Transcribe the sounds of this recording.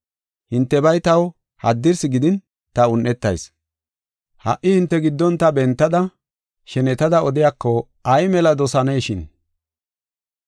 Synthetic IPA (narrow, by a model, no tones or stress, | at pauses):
hɪnt̪ːɛbɐjt̪ɐw | hɐ̰d̪ːɪɾsɪɡɪd̪ɪn | t̪ɐʊnːɛt̪ːɐ̰js | hɐ̰ʔːɪhɪnt̪ːɛɡɪd̪ːɔnt̪ɐbɛnt̪ːɐd̪ɐ | ʃɛnɛt̪ɐd̪ɐɔd̪ɪjakːɔ | ɐjmɛlɐd̪ɔsɐnejʃɪn